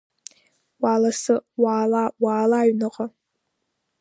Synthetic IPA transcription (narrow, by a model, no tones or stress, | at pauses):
walasɨwaːlawaːlaɥnɨqʼa